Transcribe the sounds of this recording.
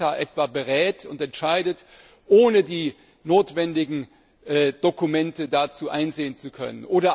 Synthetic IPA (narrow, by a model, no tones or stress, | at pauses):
aʔɛtv̥abəʁɛːtʰʊntɛntʃaɪdət | ʔoːnədiː | noːtv̥ɛndɪɡŋ̩ | ʔɛːd̥okumɛntədat͡suːʔaɪnzeːənt͡sukʰœ̰nənʔoːɾɐ